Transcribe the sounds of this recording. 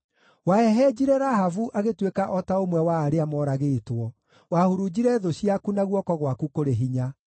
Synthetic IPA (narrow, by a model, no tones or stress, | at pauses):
waɛɦɛd͡ʑiɾeɾaɦavuʔaɣetwekaʔɔtaomwɛwaːɾeamɔɾaɣeːtwɔ | wahuɾud͡ʑiɾɛðoɕiakunaɣwɔkɔɣwakukoɾeɦiɲa